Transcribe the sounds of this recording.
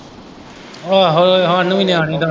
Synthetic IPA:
aɦoɦãːnũːiːnɪaːɽ̃ĩːd̪aː

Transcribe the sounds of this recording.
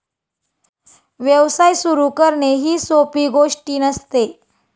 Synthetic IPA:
ʋjəʋsajsuɾukəɾɳeɦiːsopiːɡoʂʈiːnəst̪e

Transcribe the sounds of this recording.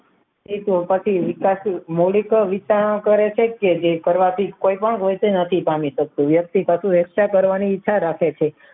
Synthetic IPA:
it̪upət͡ʃʰiʋikasmoɭikʋit͡ʃanõkəɾet͡ʃʰeked͡ʒekəɾʋat̪ʰikoipəɳkojt̪enət̪ʰipamiʃək̚t̪ũʋjək̚t̪ikəsũɾəkʃakəɾʋaniːt̪ːʃʰaɾakʰet͡ʃʰe

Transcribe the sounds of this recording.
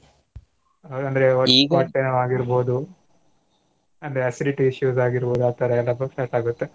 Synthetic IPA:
ɐnd̪ɐɾe̞ɐɾpaːʈːɐnɐʋaːɡiɾbo̞ːd̪u | ɐnd̪ɐɾeɐsiliʈiiʃjuːsaːɡiɾboːd̪aːt̪ːɐɾɐɛlːɐpɐʈaːɾʈaːɡut̪ːe̞

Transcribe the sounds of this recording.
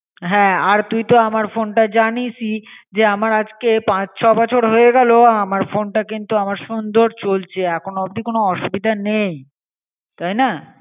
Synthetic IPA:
ɦɛ̃aɾt̪ujt̪oamaɾfonʈad͡ʑanisid͡ʑeamaɾad͡ʑkepãt͡ɕt͡ɕʰɔbɔt͡ɕʰoɾɦoeɡɛloamaɾfonʈakint̪uamaɾʃund̪oɾt͡ɕolt͡ɕʰeɛkʰonobd̪ikonoɔʃubid̪ʱanej | t̪ajna

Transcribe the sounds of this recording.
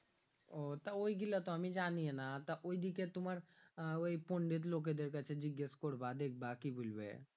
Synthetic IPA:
ot̪ɐoiɡilːat̪oɐmid͡ʒaːniɦenat̪ɐʔoid̪iket̪ʊməɾoipoɳɖit̪̬loːk̬ed̪eɾkət͡ʃʰed͡ʒiɡjeskoɽbaːd̪eːk̚baːkibʱulbḛ

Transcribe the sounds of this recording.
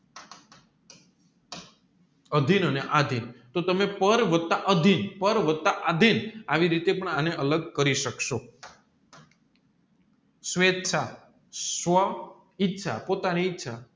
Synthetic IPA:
əd̪ʱinəneʔad̪ʱint̪ot̪əmepəɾʋət̪ːaʔəd̪ʱinpəɾʋəd̪̚t̪aʔad̪ʱinaʋiɾit̪epəɳaneʔələɡ̚kəɾiʃəkʃo | sʋet̪ːt͡ʃʰa | sʋə | ɪtːʃʰapot̪aniːtːʃʰa

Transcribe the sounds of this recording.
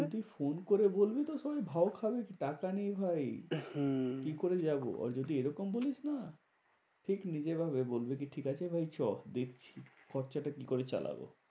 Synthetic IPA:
od̪ʱifonkoɾebolbit̪oʃɔbajbʱaokʰabekiʈakanejbʱaj | kikoɾed͡ʑabo̰ʔa̰ɾd͡ʑod̪ʱieɾɔkombolit͡ɕʰna | ʈʰiknid͡ʑebʱaβebolbekiʈʰikat͡ɕʰebʱajt͡ɕɔhd̪ekt͡ɕʰikɔɾt͡ɕaʈakikoɾet͡ɕa̰la̰bo̰

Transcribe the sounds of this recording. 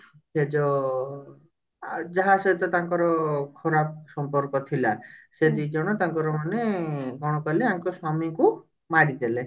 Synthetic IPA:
sed͡ʒɔ | d͡ʒaɦaset̪ɔt̪aŋkɔɾɔkʰɔɾap̚sɔmpɔɾkɔt̪ʰilased̪id͡ʒɔɽ̃ɔt̪aŋkɔɾɔmaneɡɔɽ̃ɔkɔleaŋkɔswamiku | maɽid̪ele

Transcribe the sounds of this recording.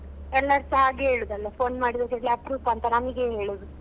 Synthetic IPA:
ɛlːɐɾsɐɦaːɡeɦeːɭud̪ɐlːɐpʰoːnmaːɽid̪ɐkeʈliɐpɾuːpɐnt̪ɐnamiɡeɦeːɭud̪u

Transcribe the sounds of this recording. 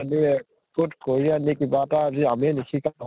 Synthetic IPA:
aniɛ | kutkoɹianikibataaziaminikʰikan

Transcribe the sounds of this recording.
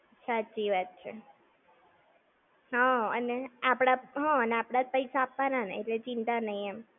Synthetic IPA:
saːt͡ʃiʋat̪t͡ʃʰḛ | ɦɔə̰neapɽ̃aɦɔ̃əneapɽ̃apəisaːpʋananḛeʈlet͡ʃint̪anəiem

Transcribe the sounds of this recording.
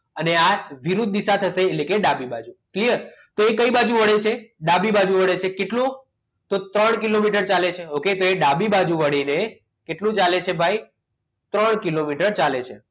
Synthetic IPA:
əneaʋiɾud̪̚d̪isat̪ʰəʃeːlekeɖabibad͡ʒuklijəɾt̪oekəibad͡ʒũʋəɽet͡ʃʰeɖabibad͡ʒũʋəɽet͡ʃʰekeʈlũ | t̪ot̪ɾəɳkilomiʈəɾt͡ʃalet͡ʃʰeoket̪oeɖabibad͡ʒũʋəɽ̃ine | keʈlũt͡ʃalet͡ʃʰebʱai | t̪ɾəɳkilomiʈəɾt͡ʃalet͡ʃʰḛ

